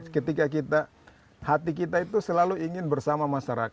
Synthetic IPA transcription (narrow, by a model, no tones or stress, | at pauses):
kət̪ikak̬it̪a | hat̪ik̬it̪ait̪usəlaluiŋɪnbərsamamaʃaɾak